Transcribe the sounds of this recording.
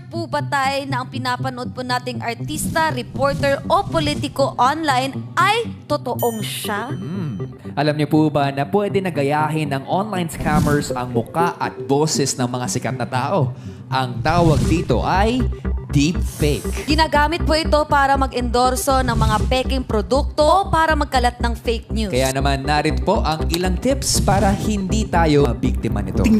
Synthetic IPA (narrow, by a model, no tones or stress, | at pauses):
puːbɐt̪ajnɐʔɐŋpɪnapɐnod̪̚ponaːt̪ɪŋʔɐɹt̪ist̪ɐɾɛpoɹt̪ɛɹʔopolit̪ɪkoʔonlajnʔɐjt̪ot̪oʔoŋʃa | ʔɐlɐmɲopuːbɐnɐpwɛd̪ɛnɐɡɐjaːɦɪnɐŋʔonlajnskamɛɹsɐŋmʊkaʔɐ̰t̪̚boːsɛsnɐŋmɐŋasɪkɐt̪̚nɐt̪aːʔo̞ | ʔɐŋt̪aːwɐɡ̚d̪iːt̪o̞̰ʔɐjd̪ip̚fɛjkɡɪnaːɡaːmɪt̪̚poʔɪt̪o̞paːɾɐmɐɡɪnd̪o̞ɾsonɐŋmɐŋapɛːkɪŋpɾod̪uk̚t̪opaːɾɐmɐɡ̚kɐlɐt̪̚nɐŋfejk̚njukɐjaːnɐmanːaːɾɪnpo̞ʔɐŋʔɪlaŋt̪ɪpspaːɾɐhɪnd̪it̪aːjo̞bik̚t̪ɪmɐ̰nɪ̰t̪o